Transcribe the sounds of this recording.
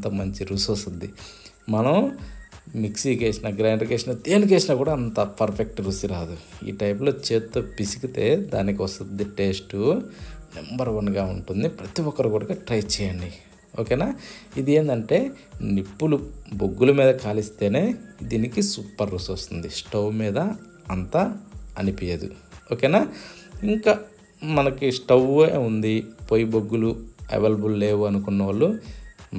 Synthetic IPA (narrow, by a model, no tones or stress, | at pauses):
t̪ɐmɐɲt͡ʃiɾuːsɐst̪ud̪d̪i | mɐnɐm | miksikeːsinɐɡɾaːɳɖkeːʂinɐd̪eːnik̬eːsinɐkuːɽaːnt̪ɐpɐɾpʰek̚ʈɾuːsiɾaːd̪uḭːʈɐjp̬lo̞ːt͡ʃeːt̪ːoːpisi̥kit̪e̞ːd̪aːnikiʋɐst̪und̪ːiʈe̞ːsʈunḛmbɐɾʋɐnɡaːuɳʈund̪ipɾɐt̪iwɔkːɐɾukuːɽɐɡaːʈɾɐjt͡ʃɛːjaːɳɖi | oːkeːnaːid̪ie̞ːnd̪ɐɳʈe̞ːnipːuluboɡːulumiːd̪ɐkaːlist̪e̞ːne̞ːd̪iːnikisuːpːɐɾːusost̪und̪isʈɐwmiːd̪ɐː | nt̪aɐnipijɐd̪ṵoːkeːnaːiŋkaː | mɐnɐkisʈɐweund̪ipoːjiboɡːuluḛʋelɐbulle̞ːwuɐnukunːɐʋɐɭːu